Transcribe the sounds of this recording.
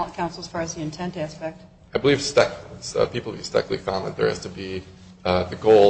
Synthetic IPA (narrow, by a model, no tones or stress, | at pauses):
ə̃nkʰãʊ̃nsl̩ˠəz̥fɑɹɨzðiɨ̃ntʰɛ̃ntæspɛk̚t̚ | aɪbəliv̥stɛkz̥ʌ̰pipl̩ˠvistɛ̰klˠḭfãʊ̃nðɨ̰t̪̚ðə̰˞ɨ̰z̥tʰɨbi | ðɨɡoʊ